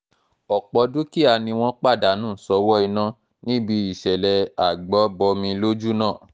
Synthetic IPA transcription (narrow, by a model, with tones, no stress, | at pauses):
ɔ˨k͡pɔ˧˦du˦ki˦a˧nĩ˧w̃ɔ̃˦k͡pa˦˨da˨˦nũ˦˨sɔ˧˦wɔ˦i˧nã˦ | nĩ˦bi˧i˨ʃɛ˨lɛ˨a˨ɡ͡bɔ˨˦bɔ˧mĩ˧lo˦d͡ʒu˦nãː˦˨